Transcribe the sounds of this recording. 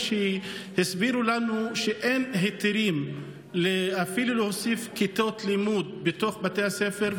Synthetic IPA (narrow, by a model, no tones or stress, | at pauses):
ʃehisbiɾulanuʃeʔenɦet̪iɾim | leafilulehosifkit̪o̞t̪limud̪̚bet̪oχbat̪ehasefeɾ